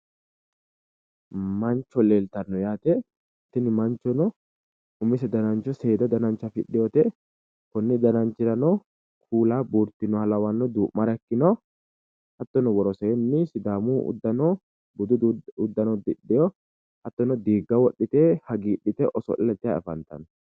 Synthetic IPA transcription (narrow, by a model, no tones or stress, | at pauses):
mɐnt͡ʃːɔleːlt̪ɐnːɔjaːt̪ɛ | t̪ːɪnɪmɐnt͡ʃːɔnɔ | ʊmːɪs̬ɛd̪ɐnɐnt͡ʃːɔse̞ːd̪ɐd̪ɐnɐnt͡ʃːɐfɪ̰ɗːɪjɔt̪ɛ | kɔnːɪd̪ɐnɐnt͡ʃːɪɾɐnɔ | kʰuːlaːbuːɾt̪ːɪnːɔhɐlɐwɐnːɔd̪uːʔmːɐɾɐɛkːɪnɔ | hɐt̪ːɔnɔwɔɾɔsɛɛnːɪsɪd̪aːmṵːd̪ːɐnɔ | bʊd̪ʊd̪ʊd̪ːɐnɔd̪ɪᶑːɪjɔ | hɐt̪ːɔnɔd̪iːɡːɐwɔɗːɪt̪ɛhɐɡiːɗːɪt̪ɛʔɔsɔ̰ʔɪlɛt̪ːɪjaɛ̰fɐ̰nt̪ɐ̰nɔ